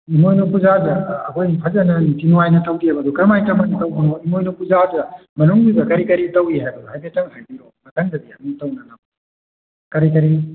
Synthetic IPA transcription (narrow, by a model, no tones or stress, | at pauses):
imojnupuzadɐːkʰɔjpʰɐzɐnɐnitinuwajnɐtɐwdiɦɐbɐd̪ukɐɾmajtɐmɐnitɐwnanɔimojnupuzadɐmɐnuŋbibɐkɐɾikɐɾitɐwiɦajbɐduhajbetɐŋhajbiɾomɐtɐŋdɐdiɐmutɐwnɐnɐ | kɐɾikɐɾi